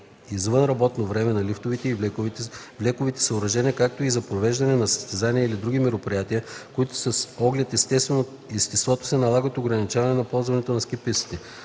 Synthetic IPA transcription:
izvɤnɾɐbɔt̪novɾɛmɛnɐlift̪ovit̪ɛi | vlɛkʊvit̪ɛ̥səʊɾɐʒɛniəkak̚t̪oizɐpɾovɛʒd̪ɐnɛnɐsɐ̥st̪ɛzaniɛilid̪ɾuɡʲimɛɾopɾijat̪iəkoit̪ʊ̥sɐsɔɡlʲɛt̪ɛst̪ɛst̪vɛno | ist̪ɛst̪vɔt̪o̥sɛnɐlˠaɡət̪oɡɾɐnit͡ʃavɐnɛnɐpɔlˠzvɐnɛt̪onɐskɛpit̪si̥t̪ɛ

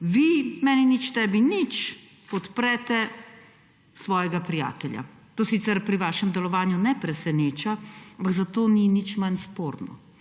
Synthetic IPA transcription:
ʋimɛːninit͡ʃt̪ɛːbinit͡ʃ | pɔt̪pɾɛt̪ɛ | sʋɔːjɛɡapɾija̰ːt̪ɛlja̰ | t̪oːsit̪sɛɾpɾiʋaːʃɛmd̪ɛlɔʋaːnjunɛpɾɛsɛneːt͡ʃaampaɡzat̪oːninit͡ʃmanspoːɾnɔ̰

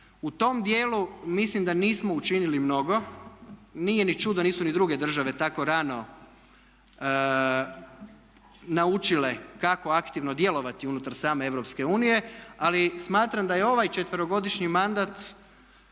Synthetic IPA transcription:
ut̪o̞md̪jeːlumislimd̪aniːsmo̞ut͡ʃinilimno̞ɡo̞ | niːje̞nit͡ʃud̪oniːsunid̪ɾuɡe̞d̪r̩ʒaʋe̞t̪ako̞ɾano̞ | naut͡ʃile̞kako̞akt̪iʋnod̪je̞lo̞ʋat̪iunut̪aɾsaːme̞e̞ʋɾo̞pske̞uːnije̞alismaːt̪ɾamd̪ajeo̞ʋajt͡ʃe̞t̪ʋəɾoɡo̞d̪iʃɲimand̪at̪

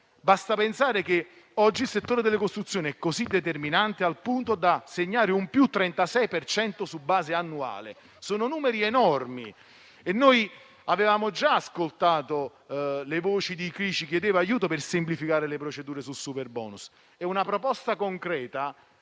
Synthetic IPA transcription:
bast̪apensaːɾek̟e | ɔd͡ʒːilset̪ːoːɾed̪elːekost̪ɾut̪sːjoːniɛkːozid̪ːet̪erminant̪ealpunt̪od̪aseɲːaːɾeumpjut̪ːɾɛnt̪asɛjpert͡ʃɛnt̪osubːaːzeanːua̰ːlḛ | soːnonuːmeɾiɛnɔrmḭ | enːoj | avevaːmod͡ʒaaskolt̪aːt̪o | levoːt͡ʃid̪ikɾiːt͡ʃik̟jed̪eːvajuːt̪̬opɪrsɪmplifikaːɾelepɾot͡ʃed̪uːɾesusuperbɔ̰ːnus | ɛunapɾopɔst̪akoŋkɾɛːt̪a

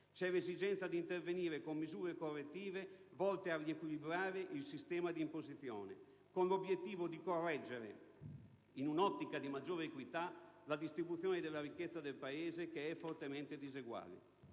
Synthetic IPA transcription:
t͡ʃɛlezid͡ʒɛnt̪sad̪iːnt̪erveniːɾekomːizuːɾekorːet̪ːiːvevɔlt̪earːiekwilibɾaːɾeʔilsist̪ɛːmad̪iːmpozit̪sjo̰ːnḛ | konlobjet̪ːiːvod̪ikorːɛd͡ʒːeɾḛ | inunɔt̪ːikad̪imad͡ʒːoːɾeekwit̪alad̪ist̪ɾibut̪sjoːned̪elːaɾikːet̪sːad̪elpaeːzekeɛfːort̪ement̪ed̪izeɡwa̰ːlḛ

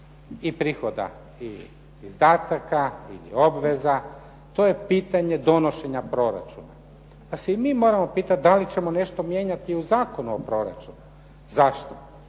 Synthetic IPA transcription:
ipɾiːxo̞d̪a̰ | iː | zd̪aːt̪akaḭlḭo̞bʋe̞za | t̪o̞je̞piːt̪aɲe̞d̪o̞no̞ʃe̞ɲapɾo̞ɾa̰t͡ʃuna | paseimiːmo̞ɾamo̞piːt̪at̪̚d̪alit͡ɕe̞mo̞ne̞ʃt̪o̞mje̞ɲat̪iuzaːko̞nuopɾo̞ɾa̰t͡ʃunu | zaʃt̪o̥

